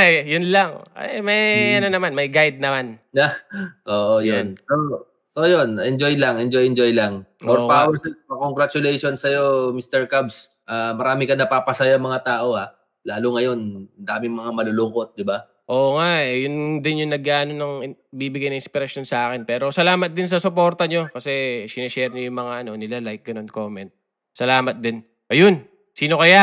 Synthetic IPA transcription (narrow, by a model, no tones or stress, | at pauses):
jʊnlɐŋa̰jmɐjʔɐnonɐmanmɐjɡajd̪̚nɐmanŋaʔoːʔojonso | sojonɛnd͡ʒojlɐaŋʔɛnd͡ʒojɛnd͡ʒojlɐŋʔoɾpawɛɾsɛpɐkoŋɡɾat͡ʃʊlɛjʃonsɐjo̞mist̪ɛɹkabs | ʔaːmɐɾaːmɪkɐnɐpaːpɐsɐjaɐŋmɐŋat̪aːʔo̞ha | laːlʊŋɐjo̞nnd̪aːmɪŋmɐŋamɐlolʊŋko̞t̪̚d̪ɪba | ʔo̞ːʔoŋaʔɛjʊnd̪ɪnjʊŋnɐɡ̚kːaːno̞nɐŋ | biːbɪɡajnɐŋɪspɪɾɐʃjo̞nsɐʔaːkɛnpɛːɾo̞sɐlaːmɐt̪̚d̪ɪns̬ɐsʊpo̞ːɾt̪ɐɲo̞kɐsɛsɪnɐʃɛɾɲojʊŋmɐŋaʔɐno̞nɪlalajk̚ɡɐno̞nkoːmɛnt̪̚ | sɐlaːmɐt̪̚d̪ɪn | ʔɐjon | siːno̞kɐja